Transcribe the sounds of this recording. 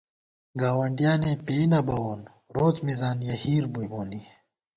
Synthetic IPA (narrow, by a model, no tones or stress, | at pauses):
ɡaːwɐɳɖijaːnepenɐbɐwoːn | ɾoːt͡smizaːnjɐhiːɾbujboːni